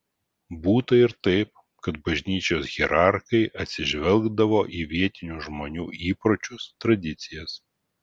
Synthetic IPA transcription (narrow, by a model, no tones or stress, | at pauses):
buːt̪ɐɪɾt̪ɐɪp̚ | kɐt̪bɐʒʲnʲiːt͡ʃʲoːsɣʲiɾɑˑɾxɐɪʔɐt̪ʲsʲɪʒʲʋʲɛlˠɡd̪ɐʋoːʔiʋʲiɛt̪ʲɪnʲuːʒmoːnʲuːʔiːpɾoːt͡ʃʲʊst̪ɾɐd̪ʲɪt̪sʲɪjɛs